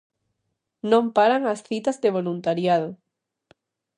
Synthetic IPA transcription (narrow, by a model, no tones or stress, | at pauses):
nõmpaɾaŋasθit̪azðeβ̞olunt̪aɾjaðo